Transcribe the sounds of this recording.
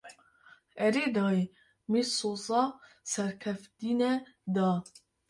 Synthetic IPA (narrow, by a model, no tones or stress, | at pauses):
ɛɾeːd̪ɑːe | mesozɑ | sɛɾkʰɛft̪iːnɛd̪ɑː